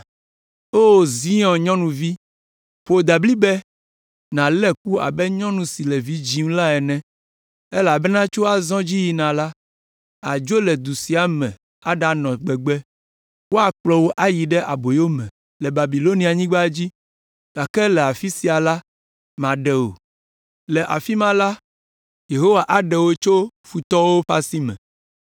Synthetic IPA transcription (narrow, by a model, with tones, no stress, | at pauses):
o˦˨zi˦ɔ̃˨ɲɔ̃˦nũ˨vi˦ | ɸo˨d̪a˨bli˦bɛ˦ | nã˨lɛ˦k̚u˦a̰˨bɛ˦ɲɔ̃˦nũ˨si˨lɛ˨vi˦d͡ʑi˦ŋ˦la˦ɛ˨nɛ̃˦ | e˦la˨bɛ˦nã˦t͡ʃo˦a˨zɔ̃˦d͡ʑi˦ji˨nã˨la˦ | a˨d͡ʒo˦lɛ˨d̪u˨si˨˦a˦mɛ̃˨ | a˦ɖa˦nɔ̃˨ɡ͡bɛ˨ɡ͡bɛ˦ | wo˦a˨k͡plɔ˨wo˦ʔa˦ji˨ɖɛ˦ʔa˨bo˨jo˦mɛ̃˨ | lɛ˨ba˨bi˨lo˦ni˨˦a˨ɲĩ˦ɡ͡ba˦d͡ʑi˦ | ɡ̥a˨kɛ˦lɛ˨a˨fi˦si˨a˨la˦ | mã˨ɖɛ˨o̰˨ | lɛ˨ʔa̰˨fi˦mã˦la˦ | je˨ɦo˦wa˨ʔa˨ɖɛ˨wo˦t͡ʃo˦fu˨t̪ɔ˦wo˦ɸa˦si˦mɛ̰̃˨